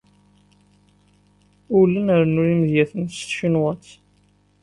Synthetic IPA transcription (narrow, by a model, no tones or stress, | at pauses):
ʊlːənəɾnuɾiməðjæθənst̪ʃinwət͡s